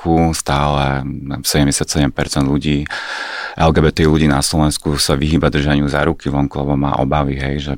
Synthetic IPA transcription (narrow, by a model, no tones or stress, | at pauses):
kʰust̪aːlɛsɛɟɛmɟɛsɪat̪sɛɟɛmpɛɾt͡sɛnd̪luɟiː | ʔɛlɡɛːbɛt̪ɛːiluɟiːnaslɔʋɛnskusaʋiɦiːbad̪r̩ʒaɲɪuzaːɾukiʋɔŋkulɛbɔma̰ːʔɔ̰baʋiɦɛjʒɛ